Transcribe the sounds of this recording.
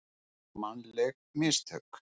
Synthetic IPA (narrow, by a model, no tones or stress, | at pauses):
manlɛɣmɪst̪ʰœk